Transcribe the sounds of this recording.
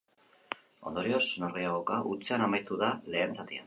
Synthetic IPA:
o̞̰nd̪oɾio̞sno̞ɾɣejaɣokaʔut͡seanamajt̪uðale̞ːnsat̪ia̰n

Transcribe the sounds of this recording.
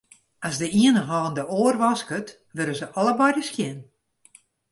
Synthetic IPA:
asdəiənəɦɔːndəoːərʋɔskət | ʋøɾəzəʔɔlˠəbɔjdəskjɪn

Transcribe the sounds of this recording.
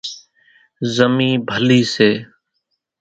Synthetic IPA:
zəmĩːbʱəliːseː

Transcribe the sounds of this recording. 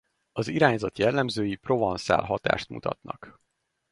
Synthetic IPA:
ɒziɾaːɲzɒt̪jɛlːɛmzøːjipro̞vɒnsa̰ːlɦɒt̪a̰ːʃt̪mṵt̪ɒ̰t̪nɒ̰k

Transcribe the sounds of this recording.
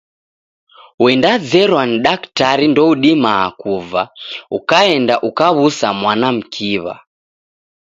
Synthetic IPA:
wɛndad͡zɛɾwaniɗaktaɾindɔuɗimaa̰kuvaukaɛndaʔukaβusamwanam̩kʰiβa̰

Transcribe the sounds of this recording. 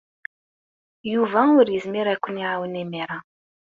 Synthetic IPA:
juvæʊɾjəzmiɾækʷːəniʕawənimiɾˤɑ

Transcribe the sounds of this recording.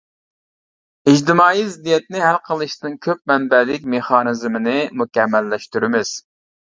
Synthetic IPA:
ɪd͡ʒt̪ɪmɑːizɪd̪ijɛt̪̚nɪɦælqʰəlˠɨʃt̪ɨnkʲʰøp̚mɛnbɛlɪkʲmeχɑːnɨzmɪnɪmukʲɛmːɛlːɛʃt̪yɾɪmɪz̥

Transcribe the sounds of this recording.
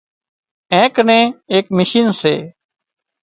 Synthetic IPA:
ɛ̃ːknẽːeːkmɪʃiːnsḛː

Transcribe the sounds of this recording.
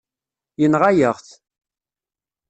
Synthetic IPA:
jənʁajəʁθ

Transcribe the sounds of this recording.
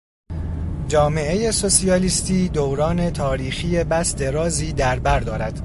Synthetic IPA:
d͡ʒɒːme̞ʔe̞jeso̞siɒːliːst̪iːd̪owɾɒːne̞t̪ʰɒːɾiːxiːje̞bæsd̪e̞ɾɒːziːd̪æɾbæɾd̪ɒːɾæd̪̥

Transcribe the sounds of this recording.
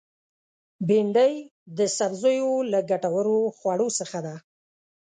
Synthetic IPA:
beɳɖəjd̪əsabzojolaɡaʈawaɾoxwaɽosəxad̪a

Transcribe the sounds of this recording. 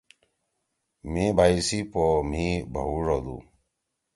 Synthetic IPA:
mebʱajsipɔmibʱɔuɾɔlṵ

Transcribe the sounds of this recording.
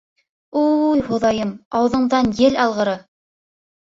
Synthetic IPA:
ujhuðɑjɤmɑw̆ðɤ̆ɴðɑnjɘlɑlˠʁɤ̆ɾɤ

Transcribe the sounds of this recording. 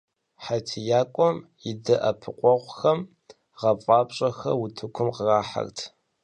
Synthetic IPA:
ħatʰijaːkʷʼɔmjɪdɐʔɐpʰɨqʷʼɔʁʷxɐm | ʁɐpʼɑːpɕʼɐxɐ̰wʊtʰɨkʷʰʊmqəraːħa̰rtʰ

